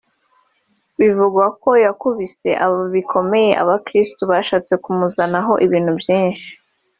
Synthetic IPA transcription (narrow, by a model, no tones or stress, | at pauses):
βivuɡwako̞jakuβise̞ʔaβoβikʰo̞me̞je̞ʔa̰βakɾistuβaːʃaːt͡se̞kumuzanaɦo̞ʔiβiːn̥hubjiːnʃi̥